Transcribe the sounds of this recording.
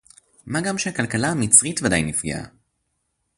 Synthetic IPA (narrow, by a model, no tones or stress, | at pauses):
maɡamʃehakalkalaːmit͡sʁitvadajnifɡḛa̰